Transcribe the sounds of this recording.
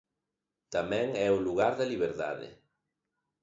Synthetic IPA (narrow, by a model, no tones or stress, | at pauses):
t̪amɛ̃ŋɛuluɣaɾðeliβ̞eɾða̰ðɪ̰